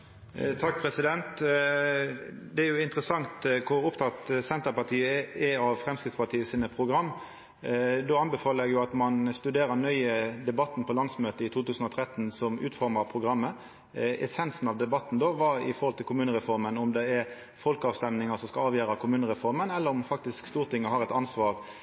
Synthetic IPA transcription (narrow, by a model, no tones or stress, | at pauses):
t̪ʰɑk̚ːpʰɾɛsɪd̪ɛnt̪ | d̪ɛæɾjʊɪnt̪ɾəsɑŋt̪kʰʊɾʊpt̪ʰɑt̪sɛnt̪əɾpɑt̪ʰiːəɛɑʋfɾɛmskɾɪt̪spɑʈ̪ʰiːəsiːnəpʰʁʊɡɾɑmː | d̪oːɑnbɛfɑːləɾɛɡjʊɑt̪mɑnst̪ʉd̪eːɾəɾnœʏəd̪ɛbɑt̪ːn̩pʰɔlɑnsmøːt̪əɪt̪ʰuːt̪ʉːsn̩ɔt̪ʰɾɛt̪ːnsɔmʉ̰ːt̪fɔɾməpʰʁʊɡɾɑmːə | ɛ̰sɛnsn̩ɑʋd̪ɛbɑt̪ːn̩d̪oːʋɑɪ̰fɔɾhɔlt̪ʰɪlkʰʊmʉːnəɾɛfɔɾmənɔmd̪ɛæɾ | fɔlkəɑːʋst̪ɛmnɪŋəsɔmskɑlɑːʋjøːɾɑkʰʊmʉːnəɾɛfɔɾmənɛlːəɾɔmfɑk̚t̪ɪskst̪uːʁt̪ʰɪŋːəhɑɾɛt̪ɑnsʋɑːʁ